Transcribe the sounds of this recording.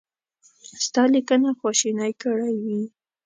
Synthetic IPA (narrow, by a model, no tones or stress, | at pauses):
st̪ɑlikənaxwɑʃinajkəɽajwi